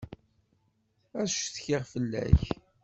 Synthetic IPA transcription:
æʃθçɪʁfəlːæ̰ç

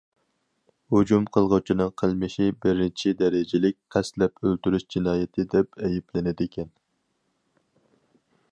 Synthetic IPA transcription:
hud͡ʒumqʰəlˠʁʊt͡ʃʰinɨŋqʰəlˠmɪʃibɪɾɪt͡ʃʰid̪ɛɾɪd͡ʒɪlɪk̚ʲqʰɛslɛpølt̪yɾyʃd͡ʒinɑːjɛt̪ʰɪd̪ɛpɛjiplɪnɪd̪ɪkʲʰɛn

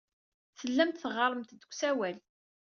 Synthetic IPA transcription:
θəlːæmt̪θʁɑɾˤəmt̪d̪əkʷsæwæl

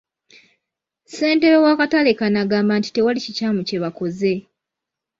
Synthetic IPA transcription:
se̞ːnte̞βewakatale̞kanaɡaːmbanti̥te̞walicicaːmuce̞βako̞ze̞

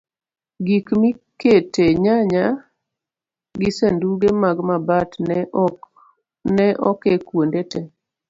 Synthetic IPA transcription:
ɡikmiketeɲaɲa | ɡɪsenduɡemaɡmabat | nɛʔɔkekwondetɛ

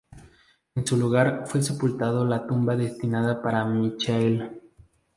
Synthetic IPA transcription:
ensuluɣaɾfwese̞pult̪að̞olat̪umbaðe̞st̪inaðapaɾamit͡ʃel

